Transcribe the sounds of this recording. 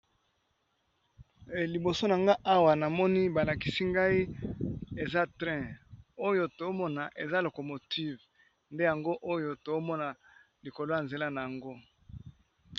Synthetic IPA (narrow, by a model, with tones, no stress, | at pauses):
li˨bo˨so˦na˨ŋɡa˦ʔa˦wa˨na˨mɔ˦ni˦ba˨la˨ki̥˨si˦ŋɡa˦i˦ | e˨za˦tʁɛ̃˦o˦jo˦to˨o˦mɔ˦na˨ʔe˨za˦lo˨ko˨mo˨tʰi˦v | nde˦ja˨ŋɡo˦ʔo˦jo˨to˨˦mɔ˦na˨ | li˨ko˨lo˦ja˨nze˨la˦na˨ja˨ŋɡo˦